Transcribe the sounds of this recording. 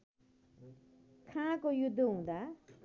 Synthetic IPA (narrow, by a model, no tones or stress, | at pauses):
kʰãkojud̪ʱːɦũd̪a